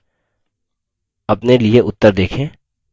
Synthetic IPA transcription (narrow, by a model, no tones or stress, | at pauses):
ɐpnelieʔʊt̪ːəɾd̪eːkʰẽː